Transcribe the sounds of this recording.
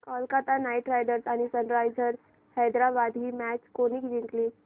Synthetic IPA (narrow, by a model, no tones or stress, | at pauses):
kaːlkat̪anaːɪʈɾaɪɖəɾt̪anisənɾaːjd͡ʒəɾ | hɛːd̪ɾabaːd̪ʱimɛːt͡ʃkonikd͡ʒɪŋkli